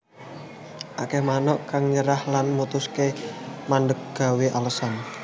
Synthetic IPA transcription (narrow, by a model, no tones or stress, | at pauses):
ʔakɛhmanɔʔkaŋɲəɾahlanmut̪uskemandək̚ɡ̥a̤weʔaləsɔn